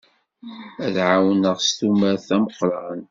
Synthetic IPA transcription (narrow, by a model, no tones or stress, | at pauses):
æðʕawənəʁst̪uməɾθæməqːɾˤɑn